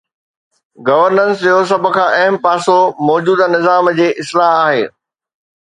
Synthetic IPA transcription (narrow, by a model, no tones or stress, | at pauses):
ɡɐʋəɾnə̃nsd͡ʑos̬ɐbʱə̆kʰãːʔɐɦəmpaːsomɔːd͡ʑuːd̪nɪzaːmd͡ʑeːʔɪslaːɦaːɦeː